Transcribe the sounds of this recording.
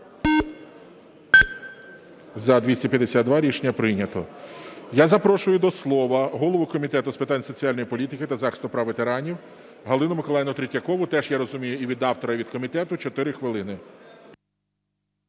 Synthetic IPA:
zɐd̪ʲʋʲisʲtʲɐpʲjɐd̪esʲad̪̚d̪ʋɑɾʲiʃnʲɐpɾɪnʲɐt̪ɔ̰jazɐpɾɔʃʊjʊd̪ɔslˠɔʋɐɦɔlˠɔʋʊkɔmʲit̪ɛt̪ʊspɪt̪ɑnʲsɔt͡sʲialʲnɔjipɔlʲit̪ɪkɪt̪ɐzɑxɪst̪ʊpɾɐʋet̪eɾɑnʲiw | ɦɐlˠɪnʊmɪkɔlˠɑjɪnɔt̪ɾʲɪtʲːɐkɔʋʊt̪ɛʒjaɾɔzʊmʲijʊiʋʲid̪ɑwt̪ɔɾɐʋʲid̪kɔmʲit̪ɛt̪ʊt͡ʃɔt̪ɪɾɪxʋɪlˠɪnɪ

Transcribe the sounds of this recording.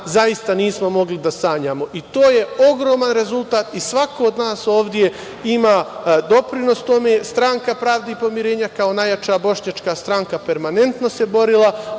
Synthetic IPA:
zaist̪aniːsmo̞mo̞ɡlid̪asaːɲaːmo̞ʔit̪o̞ːje̞o̞ɡɾo̞ːmanɾe̞zulˠt̪aːt̪isʋako̞ːd̪naːso̞ːʋd̪je̞ | imad̪o̞pɾino̞st̪o̞me̞ːst̪ɾaŋkapɾaːʋd̪eipo̞miɾeːɲakao̞najat͡ʃabo̞ʃɲat͡ʃkast̪ɾaŋkape̞ɾmane̞nt̪no̞se̞bo̞ɾilˠa

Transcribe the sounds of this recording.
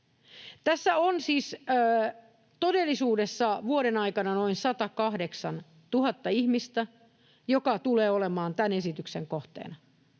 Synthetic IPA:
t̪æsːæonsiːsəː | t̪odelːisuːdesːɑʋuoɾenɑikɑnɑnoinsɑt̪ɑkɑhdeksɑn | t̪uhɑt̪ːɑihmist̪æ | jokɑt̪uleːolemɑːnt̪ænesit̪ykseŋkoht̪ḛːnɑ

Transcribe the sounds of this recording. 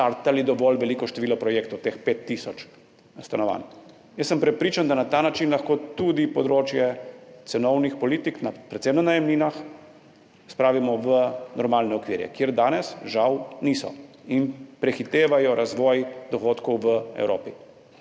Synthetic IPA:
t̪aɾt̪alid̪ɔʋɔlʋɛliːkɔʃt̪ɛʋiːlɔpɾɔjekt̪ɔwt̪eːxpeːt̪ːisɔt͡ʃ | st̪anɔʋa̰ːn | jəssəmpɾɛpɾiːt͡ʃand̪anat̪aːnat͡ʃinlaxkoːt̪ud̪ipɔd̪ɾoːt͡ʃjɛt̪sɛnɔwnixpɔliːt̪iknapɾɛt̪sɛjwnɔnajɛmliːnax | spɾaːʋimɔʋənɔɾmaːlnɛɔkʋiːɾjɛ̰kjeɾd̪aːnɛsʒawnisɔ̰inpɾɛxit̪eːʋajɔɾʔazʋɔjd̪ɔxoːt̪kɔwʋəɛ̰wɾo̰ːpi

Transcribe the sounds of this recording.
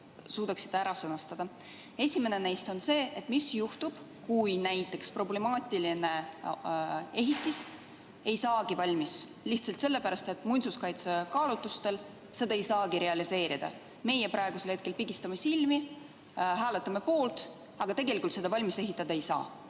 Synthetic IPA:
suːd̪ɑksi̥t̪ːˑæɾɑsɤnɑst̪ɑd̪̥ɑ | e̞sʲime̞ne̞nejst̪o̞nse̞ːet̪ːˑmisjuht̪ub̥ | kujnæjt̪ˑːe̞kspro̞ble̞mɑːt̪ːˑiline̞ | e̞ɦit̪ːis | e̞jsɑːɡ̥ivɑlʲmis | liht̪sɑlt̪se̞lːe̞pæɾɑst̪e̞t̪ˑmujnsuskɑjt̪sekɑːlut̪ːˑust̪e̞l | se̞d̪ɑe̞jsɑːɡiɾe̞ɑlise̞ːɾid̪̥ɑ̰ | me̞jepɾʔɑeɡ̥uselhe̞t̪kelpiɡist̪ɑmesilmi | ɦæːle̞t̪ˑːɑme̞po̞ːlt̪ | ɑɡ̥ɑt̪e̞ɡelikult̪se̞d̪ɑvɑlʲmise̞ɦit̪ːˑɑd̪̥ɑejsɑ̰ː

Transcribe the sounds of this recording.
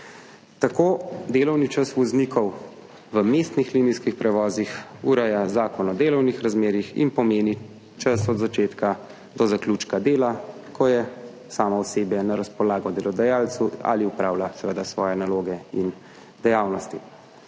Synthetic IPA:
t̪akoːd̪eːlɔwnit͡ʃəsʋɔznikʰɔw | ʋəmeːst̪nixliːniskixpɾɛʋɔːzixuɾɛjazaːkɔnɔd̪eːlɔwnixɾazmeːɾixḭnpɔmeːni | t͡ʃasɔd̪zat͡ʃeːt̪ka | d̪ɔzakluːt͡ʃkad̪eːlakʰɔjɛ | saːmɔɔseːbjɛnaɾaspɔlaːɡɔd̪ɛlɔd̪ajaːlsua̰liupɾaːwlasɛʋəd̪asʋɔːjɛnaloːɡɛin | d̪ɛjaːwnɔst̪i

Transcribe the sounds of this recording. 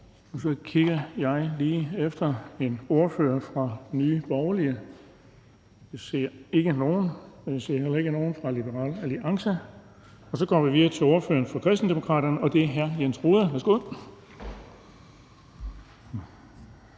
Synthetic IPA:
ɒ̽sɒ̽kʰiɡ̥ɐjɑ̈ɪliːefd̥ɐe̝no̝ɐfø̰ɐfʁɑ̥̈nyːb̥ɒʊɐliə | ise̝ɐ̰e̝ɡ̥əno̝ːn̩se̝ɐhel̰ɐe̝ɡ̥əno̝ːn̩fʁɑ̈lib̥əʁɑ̰̈ːlæliʔɑ̈ŋsə | ɒ̽sɒ̽ɡ̥ɒ̰ːʋiʋiðɐt͡sʰe̝o̝ɐfø̰ːɐnfʁɑ̈kʰʁɛsd̥n̩d̥emo̝kʰʁɑ̰̈ːd̥ɐnəɒ̽d̥e̝æɦæɐjensʁoːðˠɐʋæɐsɡ̥o̝ð̰ˠ

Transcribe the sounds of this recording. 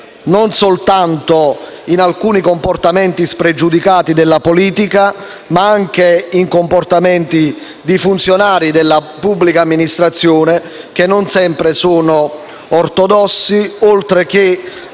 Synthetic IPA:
nonsolt̪ant̪oinalkuːnikomport̪amɛnt̪ispɾed͡ʒud̪ikaːt̪id̪elːapoliːt̪ika | maaŋk̟eiŋkomport̪amɛnt̪i | d̪ifunt̪sjonaːɾid̪elːapubːlikaːmːinist̪ɾat̪sːjoːne | k̟enːonsɛmpɾesoːnoː | rt̪od̪ɔsːiolt̪ɾek̟e

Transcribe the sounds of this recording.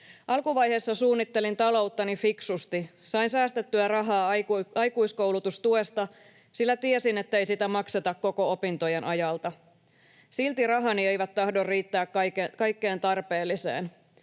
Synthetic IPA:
ʔɑlkuʋɑjɦe̞ːsːɑsuːnːit̪ːe̞lint̪ɑlo̞ut̪ːɑnifiksust̪isɑinsæːst̪et̪ːyærɑɦɑːɑjkuisko̞wlut̪ust̪ue̞st̪ɑ | silːæt̪iesine̞t̪ːejsit̪æmɑkset̪ɑkko̞ko̞opint̪o̞jenʔɑjɑlt̪ɑ | silt̪irɑɦɑnie̞jʋæt̪tɑhdorriːt̪ːæːkkɑkekɑjkːe̞ːnt̪ɑrpe̞ːlːise̞̰ːn

